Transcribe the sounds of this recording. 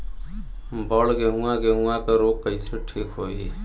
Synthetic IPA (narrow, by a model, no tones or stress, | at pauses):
bɔːɽɡeɦũaɡeɦũakeɾoːkːəiseʈʰiːkɦoːḛ